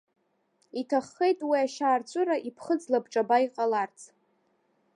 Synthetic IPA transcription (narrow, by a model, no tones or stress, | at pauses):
itʰaχːe̞jtʼwiaʃaːrt͡ɕʷʼʊɾaʔipʰχəd͡zlabʈ͡ʂʼabaiqʼalart͡sʰʼ